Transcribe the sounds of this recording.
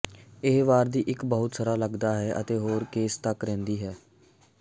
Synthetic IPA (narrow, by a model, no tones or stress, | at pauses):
ɪːʋaːɾd̪iːʔɪkbəɦʊt̪səɾaːləɡd̪aːɦɛːʔə̰t̪eːɦoːɾkeːst̪əkɾɛ̃ːnd̪iːɦɛː